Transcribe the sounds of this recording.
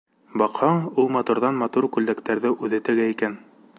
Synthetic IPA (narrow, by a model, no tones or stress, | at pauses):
bɑqhɑɴulˠmɑt̪uɾðɑnmɑt̪uɾkʉld̪ækt̪æɾðɘʔʉðɘt̪ɘ̆ɡæikæn